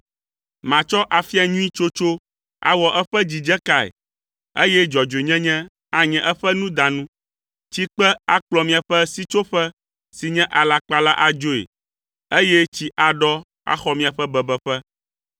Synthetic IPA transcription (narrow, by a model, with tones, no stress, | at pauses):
mã˨t͡ʃɔ˦ʔa˨fi˦a˨ɲũ˦ĩ˦t͡ʃo˦t͡ʃo˦ | a̰˨wɔ˨ʔɛ˦ɸɛ˦d͡ʑi˨d͡ʒɛ˦ka˨ḛ˨ | e˦jɛ˦d͡ʒɔ˨d͡ʒe˨ɲɛ̃˦ɲɛ̃˦ | a˨ɲɛ̃˨ʔɛ˦ɸɛ˦nũ˦d̪ã˨nũ˦ | t͡ɕi˦k͡pɛ˦a˦k͡plɔ˨mĩ˨a˨ɸɛ˦si˦t͡ʃo˦ɸɛ˦ | si˨ɲɛ̃˦ʔa˨la˨k͡pa˦la˦ʔa˨d͡ʒo˦ḛ˨ | e˦jɛ˦t͡ɕi˦ʔa˨ɖɔ˦ | a̰˦xɔ˦mĩ˨a˨ɸɛ˦bɛ˨bɛ˨ɸɛ˦